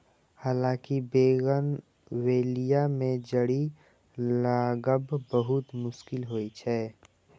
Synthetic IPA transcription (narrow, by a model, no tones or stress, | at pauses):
haːlãːkibeːɡən | weːlijamẽd͡ʒəɽi | laɡəbbəɦʊt̪mʊʃkɪlɦoːit͡ʃʰɛː